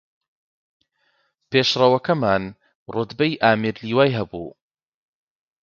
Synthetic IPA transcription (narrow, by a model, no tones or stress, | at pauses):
peːʃrɐwɐkɐmaːn | rot̪bɐjʔaːmiɾliːwaːjɦɐbṵː